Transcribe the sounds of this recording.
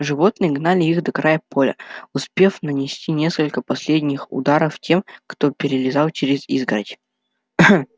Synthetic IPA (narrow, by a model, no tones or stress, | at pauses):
ʐɨvo̞t̪nɨjəɡnalʲɪixd̪əkɾajəpo̞lʲə̰ʊspʲe̞fnənʲɪsʲtʲinʲe̞skəlʲkəpɐsʲlʲedʲnʲɪxʊ̰d̪aɾəftʲe̞mkt̪o̞pʲɪɾʲɪlʲɪzɑlˠt͡ɕɪɾʲɪzḭzɡɾə̰tʲ